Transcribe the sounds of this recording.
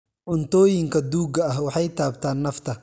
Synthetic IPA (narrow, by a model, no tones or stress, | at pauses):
ʔʊnt̪ʰɔːjɪŋkʰɐd̪uːɡɐɐɦwɑħɑjt̪ʰaːbt̪ʰaːnːɐft̪ʰɐ